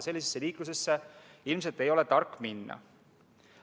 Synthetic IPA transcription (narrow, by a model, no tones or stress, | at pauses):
se̞lʲːis̬esːeliːkluse̞sːeilms̬e̞lt̪ːˑe̞jo̞lɛt̪ɑrkːminːɑ̰